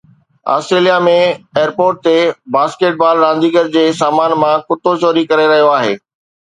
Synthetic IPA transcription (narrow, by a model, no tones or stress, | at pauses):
a̰ːsʈɾeːlijamẽeːəɾpoːɾʈ̚t̪ebaːskeːʈ̚baːlɾãːnd̪iːɡəɾd͡ʑeːsaːmaːnmãkʊt̪ot͡ɕoːɾikɐɾeɾɐɦijoaːɦḛː